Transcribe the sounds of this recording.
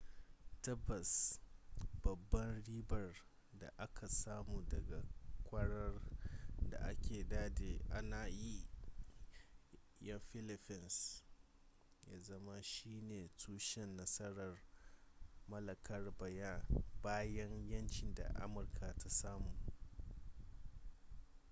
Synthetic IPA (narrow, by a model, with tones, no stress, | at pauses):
tɐ˦bːɐ˨s | bɐ˨bːɐ˦nɽiː˦bɐ˨r | da̰˨ʔa˦kʰa˨saː˦muː˨dɐ˨ɡa˨kʷʼɐ˦ɽɐ˦rda̰˨ʔa̰˦kʲʰeː˨daː˦de˨ʔa˦naː˨ji˦ | jɐ˦ɸɪ˦lɪ˨ɸɪ˨ns | jaː˦zɐ˦ma˦ʃiː˦neː˨tʰuː˦ʃɛ˦nːɐ˦sɐ˦ɽɐ˨r | mɐ˦lɐ˨kʰɐ˦rbɐ˨jaː˦baː˦jɐ˦ɲjɐ˦nt͡ʃɪ˨nda̰˨ʔa̰˦mʊ˨rkʰa˨tʰa˦saː˦muː˨